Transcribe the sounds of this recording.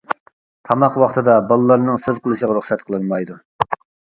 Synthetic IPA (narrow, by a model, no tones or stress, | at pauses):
t̪ʰɑmɑqwɑχt̪ʰɨd̪ɑbɑlˠɨlːˠɑɾnɨŋsøzqʰəlˠɨʃəʁɑɾuχsɛt̪qʰəlˠɨnmɑjd̪u